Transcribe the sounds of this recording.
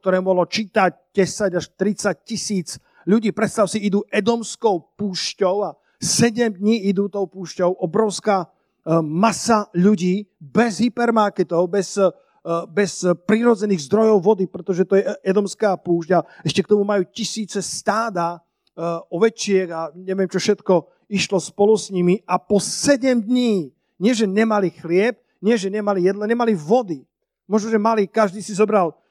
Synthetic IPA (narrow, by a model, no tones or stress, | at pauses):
k̚t̪ɔɾɛːmuɔɦlɔt͡ʃiːt̪ac̚ɟɛsaɟaʃt̪ɾit͡sac̚cisiːt͡s | ʎuɟiːpɾɛt̪st̪aʊsiid̪uːʔɛd̪ɔmskɔʊpuːʃcɔʊa | sɛɟɛmd̪ɲiid̪uːt̪ɔʊpuːʃcɔʊʔɔbɾɔʊskaː | masaʎuɟiːbɛzɦipɛɾmaɾkɛt̪ɔʊbɛz | bɛspɾiɾɔd͡zɛniːɣzd̪ɾɔjɔʊʋɔd̪ipɾɛt̪ɔʒɛt̪ɔjɛɛd̪ɔmskaːpuːʒɟaɛʃcɛkt̪ɔmumajuːcisiːt͡sɛst̪aːd̪a | ɔʋɛt͡ʃɪɛɡaɲɛʋɪɛmt͡ʃɔfʃɛt̪kɔ | iʃlɔspɔlusɲimiapɔsɛɟɛmd̪ɲiː | ɲɪɛʒɛɲɛmalixlɪɛb̚ | ɲɪɛʒɛɲɛmalijɛd̪laɲɛmaliʋɔd̪i | mʊɔʒnɔʒɛmalikaʒd̪iːsizɔbɾal